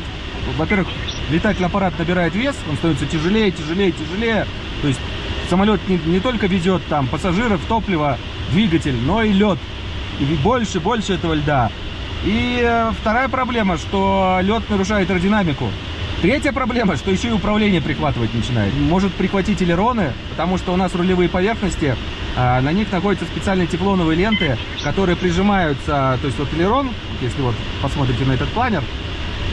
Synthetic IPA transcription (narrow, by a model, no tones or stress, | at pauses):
vɐpʲe̞rvɨx | lʲɪt̪atʲɪlʲnɪɐpɐɾat̪nəbʲɪɾajɪt̪vʲe̞sonst̪ɐnvɪt̪sətʲɪʐɨlʲejətʲɪʐɨlʲejətʲɪʐɨlʲejə | t̪o̞jɪsʲtʲ | səmɐlʲo̞t̪nʲɪnʲɪt̪o̞lʲkəvʲɪdʲo̞t̪ːampəsɐʐɨɾəft̪o̞plʲɪvə | d̪vʲiɡətʲɪlʲno̞ilʲo̞t̪ | ibo̞lʲʂɨbo̞lʲʂɨɛt̪əvəlʲd̪a | ift̪ɐɾajəpɾɐblʲe̞məʂt̪o̞lʲo̞t̪nəɾʊʂ̬ajʊt̪rdʲɪnamʲɪkʊ̰ | t̪ɾʲetʲjəpɾɐblʲe̞məʂt̪o̞jɪɕːoɪʊpɾɐvlʲenʲɪjəpɾʲɪxvat̪ɨvətʲnət͡ɕɪna̰jɪ̰mo̞ʐɨt̪̚pɾʲɪxvɐtʲitʲɪlʲɪɾo̞nɨpə̥t̪ɐmuʂt̪oʊnasrʊlʲɪvɨjəpɐvʲe̞rxnəsʲtʲɪ | nɐnʲixnɐxo̞dʲɪt̪səspʲɪt̪sɨalʲnəjətʲɪplˠo̞nəvɨjlʲe̞nt̪ɨ | kɐt̪o̞ɾɨjəpɾʲɪʐɨmajʊt̪sət̪o̞ɪsʲtʲvo̞t̪ɪlʲɪɾo̞nvot̪jesʲlʲɪvo̞t̪ | pɐsmo̞t̪ɾʲɪtʲɪnɐɛt̪ət̪̚plˠanʲɪr